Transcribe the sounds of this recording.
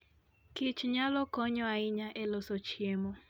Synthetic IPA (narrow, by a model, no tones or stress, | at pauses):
kɪt͡ʃɲalɔkɔɲɔaɪɲaʔelɔsot͡ʃiemo